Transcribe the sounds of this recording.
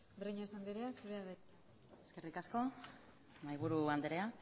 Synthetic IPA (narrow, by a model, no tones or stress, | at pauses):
beriɲaisand̪iɾeasuɾeaðe | eske̞rikasko̞ | majβuɾuand̪eɾea